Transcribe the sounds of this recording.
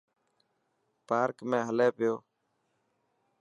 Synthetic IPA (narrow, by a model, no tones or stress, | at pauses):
paːɾkmẽːɦəleːpɪjoː